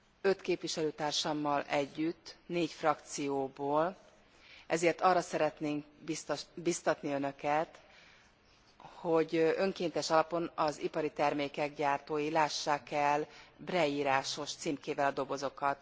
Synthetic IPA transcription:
ø̞t̪keːpʋiʃɛløːt̪aːrʃɒmːɒlʔɛɟːyt̪ːneːcfrɒkt̪sijoːboːl | ʔɛzeːrt̪ɒrːɒsɛɾɛt̪neːŋk | bibist̪ɒt̪niø̞nø̞kɛt̪ | ho̞ɟø̞ŋkeːnt̪ɛʃɒlɒpo̞nɒzipɒɾit̪ɛrmeːkɛɡ̚ɟaːrt̪oːjilaːʃːaːkɛlbrɛiːɾaːʃo̞ʃt̪siːmkeːvɛlɒd̪o̞bo̞zo̞kɒt̪

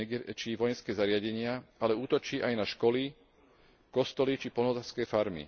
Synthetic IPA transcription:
t͡ʃiːʋɔjɛnskɛːzaɾɪaɟɛɲɪaalɛuːt̪ɔt͡ʃiːʔajnaʃkɔli | kɔst̪ɔlit͡ʃipɔɔzaskɛːfaɾmḭ

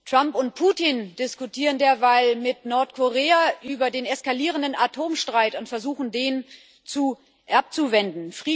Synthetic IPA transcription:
tʁ̥ampʊnt̚pʰuːtind̥ɪskutʰiːʁəndeːɐvaɪlmɪtnɔɐtkʰoʁeːaʔyːbɐdeːnɛskaliːʁəndənatʰoːmʃtʁ̥aɪtʊntfɛɐzuːxn̩deːn | t͡su | ʔɛɐɐp̚t͡suvɛndn̩fʁ̥iː

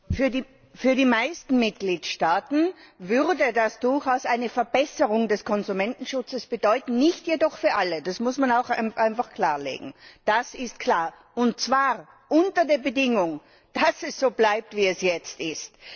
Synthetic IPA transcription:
fyːɐdi | fyːɐdiːmaɪstn̩mɪt̚ɡ̥liːtʃtaːtn̩vʏʁdədasd̥ʊɐçaʊsʔaɪnəfɛɐbɛsəʁʊŋdɛskʰɔnzumɛntn̩ʃʊt͡səsb̥ədɔʏtn̩nɪçtjedɔχfyːɐʔaləd̥asmʊsmanaʊxaʔaɪnfaχkʰl̥aːɐlḛːɡŋ̩d̥asɪst̚kʰl̥aːɐ | ʊntt͡sv̥aːʁ | ʔʊntɐdeːɐbədɪŋʊŋ | d̥asɛsz̥oːblaɪp̚tv̥iːɛsjɛt͡stɪst

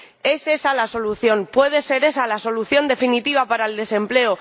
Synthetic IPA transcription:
e̞se̞salaso̞luθjo̞npwe̞ð̞e̞se̞ɾe̞salaso̞luθjo̞nd̪e̞finit̪iβ̞apaɾaeld̪e̞sẽ̞mple̞o

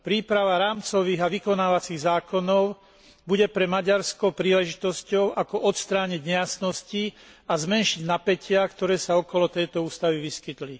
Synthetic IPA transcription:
pɾiːpɾaʋaɾaːmt͡sɔʋiːɣaʋikɔnaːʋat͡siɣzaːkɔnɔʊ | buɟɛpɾɛmaɟaɾskɔpɾiːlɛʒit̪ɔscɔʊʔakɔʔɔt̪st̪ɾaːɲiɟɲɛjasnɔsci | azmɛnʃiɟnapɛcʰɪakt̪ɔɾɛːsaɔkɔlɔt̪ɛjt̪ɔuːst̪aʋiʋiskit̪li

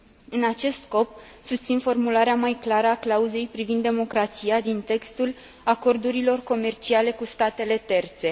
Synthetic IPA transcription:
ɨnat͡ʃe̞st̪sko̞p | sust̪sinfo̞rmulaɾeamajklaɾəaklauze̞jpɾivind̪ːe̞mo̞kɾat̪sijad̪int̪e̞kst̪ul | ako̞rd̪uɾilo̞rko̞me̞rt͡ʃiale̞kust̪at̪e̞le̞t̪e̞rt̪se̞

